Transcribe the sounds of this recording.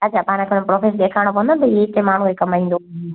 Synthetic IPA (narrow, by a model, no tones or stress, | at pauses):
at͡ɕʰapaːñkʰenmpɾoːfesɗ̪eːkʰaɪɽ̃opɐ̃nd̪ont̪ɐit̪emaːɳ̤ũkekɐmaĩːnd̪o